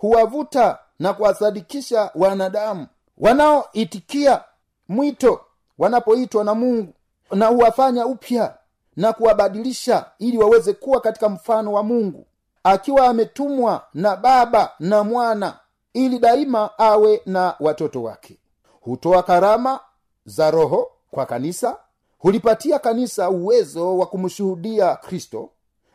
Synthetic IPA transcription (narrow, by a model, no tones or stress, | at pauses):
huwavuta | nakuwasaɗikiʃawanaɗamu | wʔanawɔʔitikia | mwitɔ | wanapɔitwanamuŋɡu | nahuwafaɲaupʰja | nakuwaɓaɗiliʃailiwawɛzɛkuwakati̥kam̩fanɔwamuŋɡṵ | akiwaːmɛtumwanaɓaɓanamwana̰ | iliɗaimaawɛnawatɔtɔwa̰kʰɛ̥ | hutɔakaɾama | zaɾɔɦɔ | kwakanisa | hulipatiakanisauwɛzɔwakumuʃuhuɗiakɾistɔ̰